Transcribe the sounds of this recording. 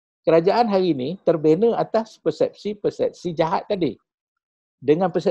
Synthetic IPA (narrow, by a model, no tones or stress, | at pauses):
kəɾad͡ʒaʔanɦaɾinĩt̪ərbenə̃at̪aspərsɛp̚sipərsɛp̚sid͡ʒaɦat̪̚ːadi | dəŋãnpəsɛ